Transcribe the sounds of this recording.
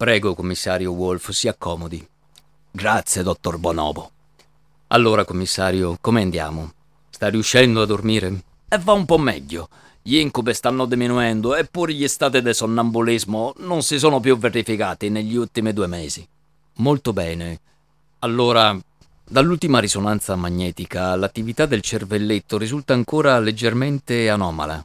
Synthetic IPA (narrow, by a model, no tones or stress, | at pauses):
pɾɛːɡokomːisːaːɾjowolfsiːakːɔːmod̪i | ɡɾat̪sːjed̪ɔt̪ːorbɔnɔ̰ːbo | a̰lːoːɾakomːisːaːɾjokomeand̪ja̰ːmo | st̪ariuʃːɛnd̪oad̪ːormiːɾe | ɛvːaumpɔmːɛ̰ʎːo | ʎiŋkubest̪anːʊd̪eminuɛnd̪ʊɛpːuːɾeʎist̪aːt̪̬id̪elsonːambulizmononsisoːnopjuvːerifikaːt̪ineʎːiult̪ːimid̪uːemɛːzi | molt̪obɛːne | alːoːɾa | d̪alːult̪imaɾisonant̪samaɲːɛːt̪ikalat̪ːivit̪ad̪ːelt͡ʃervelːet̪ːoɾizult̪aːŋkoːɾaled͡ʒːerment̪eanɔːma̰la̰